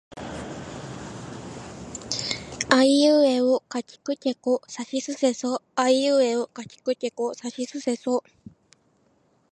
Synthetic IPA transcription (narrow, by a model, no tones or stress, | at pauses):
aiɯ̟ːeokakʲi̥kɯ̟t̪ʲe̞kosaɕisɨse̞soaiɯ̟ːeokacʲi̥kɯ̟tʲe̞kosaɕisɨse̞so